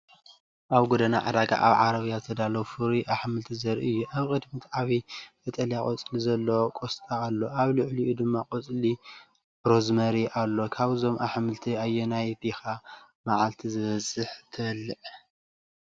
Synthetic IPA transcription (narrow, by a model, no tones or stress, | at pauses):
ʔaβɡod̪ɐna̰ʕa̰d̪aɡa̰ʔa̰βʕaɾɐβjazɨt̪ʰɐd̪alowfɨɾiʔaħmɨlt̪ʰizɐɾʔiɨjːuʔaβkʼɨd̪mit̪ʰaβibɐt̪ʼɐlijakʼot͡sʼlizɐlːokʼost̪ʰʼaːlːo̞ʔaβlɨʕliʔud̪ɨmːakʼot͡sʼli | bɾo̞zmɐɾiʔalːo̞kʰaβzo̞mʔaħmɨlt̪ʰiajːonajbixa | maʕalt̪ʰizɨβɐzʼɨħt̪ʰɨlːɨʕ